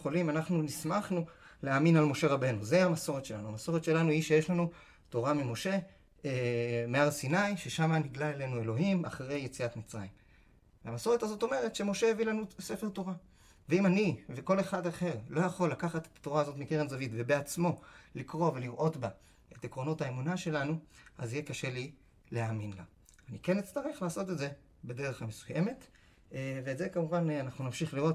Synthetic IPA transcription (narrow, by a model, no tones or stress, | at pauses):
χolimanaχnunismaχnuleaːminalmo̞ʃe̞ʁabe̞nuzeamaso̞ʁet̪ʃe̞lanuamaso̞ʁetʃe̞lanuhiʃe̞jeʃlanu | to̞ʁamimo̞ʃe̞ | emeaʁsinajʃe̞ʃamaniɡlaele̞nue̞lo̞ɦima̰χʁe̞jːe̞t͡siat̪mit͡sʁa̰jim | veamaso̞ʁe̞tazo̞to̞me̞ʁ̞e̞tʃe̞mo̞ʃe̞evilanuse̞fe̞ʁt̪o̞ʁa | veimaniveko̞le̞χadaχe̞ʁlo̞jaχo̞lːakaχate̥tḁtːo̞ʁaːzo̞tmikeʁenzavitve̞beat͡smo̞likʁo̞ve̞liʁʔo̞tba | e̞tekʁo̞no̞thaemunaʃe̞lanuazijekaʃe̞li | leaːminla̰ | anikenit͡st̪aʁeχlaːso̞tedze̞ | bede̞ʁe̞χamesuje̞me̞t | veːtzekamuvananaχnunamʃiχliʁo̞t